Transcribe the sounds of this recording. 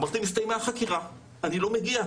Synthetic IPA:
maʁt̪imist̪aimeaχakiʁa | anilo̞meɡia

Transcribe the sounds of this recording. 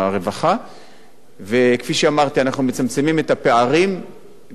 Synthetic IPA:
aʁe̞vaχa | ve̞kfiʃeamaʁt̪ianaχnumet͡samt͡se̞mimet̪ape̞aʁim

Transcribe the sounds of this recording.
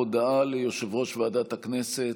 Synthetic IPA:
odaalejoʃevʁo̞ʃveadat̪haknese

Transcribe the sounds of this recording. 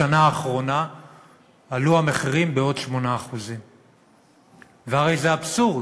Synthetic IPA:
anaːχʁo̞na | luameχiʁimbeo̞dʃmo̞naːχuzim | veaʁe̞jzeabsuʁ

